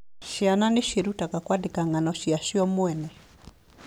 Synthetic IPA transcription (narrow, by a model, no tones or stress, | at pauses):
ʃiananiʃiɾutakakwadikaŋɡanɔʃiaʃiɔmwɛnɛ